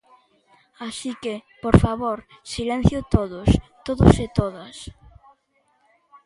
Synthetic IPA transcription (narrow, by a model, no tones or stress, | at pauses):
asikɪpoɾfaβoɾ | silɛ̃n̟θjʊt̪oðʊst̪oðʊsɪt̪oðɐs